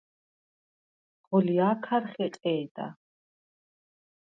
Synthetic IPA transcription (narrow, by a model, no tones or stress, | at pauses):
ʁɔliaːkʰaɾχɛqʼɛːd̪a̰